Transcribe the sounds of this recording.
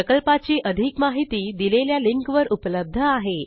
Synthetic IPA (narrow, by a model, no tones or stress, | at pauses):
əkəlpat͡ɕiːʔəd̪ʱikmaɦit̪iːd̪ileljaliŋkʋəɾʔupləb̚d̪ʱəaɦe